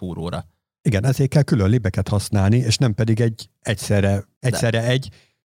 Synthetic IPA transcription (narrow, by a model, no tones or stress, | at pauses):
puːɾo̰ːɾɒ̰ | iɡɛnɛzeːkːɛlkylønlibɛkɛt̪hɒsnaːlnieːʃnɛmpɛd̪iɡɛɟː | ɛcsɛrɛ | ɛcssɛrɛɛɟ